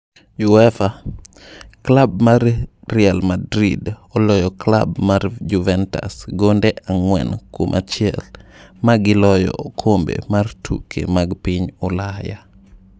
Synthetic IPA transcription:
juɛfa | klab̚maɾrialmadɾḭdɔlɔjɔkla̰bmaɾd͡ʒuvɛnta̰sɡondɛʔaŋwɛ̰nkomʔa̰t͡ʃɪɛlmaɡɪlɔjɔ̰kʰombḛmartʰṵkʰḛmaɡpiɲɔlaja

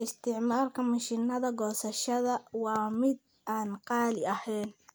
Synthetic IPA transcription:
ɪst̪ʰɪʕmaːrkʰɐmɐʃiːnɐðɐɡɔːsɐʃɐðɐwɑːmɪd̪̚ | aːnqɑːlɪɐhɛjn

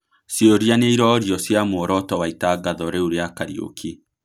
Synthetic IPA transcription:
sjoɾjaneiɾɔɾjɔsjamoɾɔtɔwaitaɡaðɔɾeuɾeakaɾḭo̰kʰi

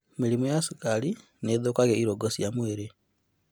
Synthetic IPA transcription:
miɾimojasikali | neðokaɣeiɾoɡosijamweɾe

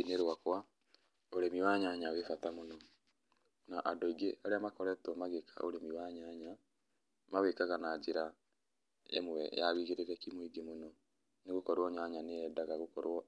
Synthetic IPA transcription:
ineɾwakwa | oɾemiwaɲaɲawefatamonɔ | naʔadɔiɡeaɾeamakɔɾɛtɔmaɣekʰa̰o̰ɾemiwaɲaɲa | mawekaɣanaːd͡ʑeɾa | ḛmwwɛ̰jaβiɣeɾeɾɛkimwiɡemonɔ | neɣokɔɾwɔɲaɲaneɛdaɣaɣokɔɾwɔ

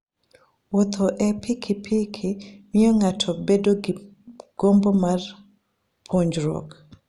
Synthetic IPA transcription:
wot̪ʰoʔɛpʰikʰipʰikʰimɪjɔŋatʰɔbedoɡ | ɡ̥ombomar | pʰoɲd͡ʒɾo̰k

